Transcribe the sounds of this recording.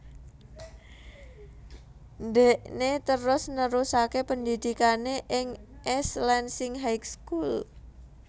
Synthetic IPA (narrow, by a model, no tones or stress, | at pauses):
ndɛʔnet̪əɾʊsnəɾusakepənd̪id̪̥ikaneʔɪŋʔɛslɛnsɪŋɦajkskul